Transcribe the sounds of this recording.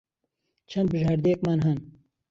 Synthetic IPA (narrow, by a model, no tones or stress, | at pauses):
t͡ʃʰɐnd̪bɨʒaɾd̪eːk̚manɦɐn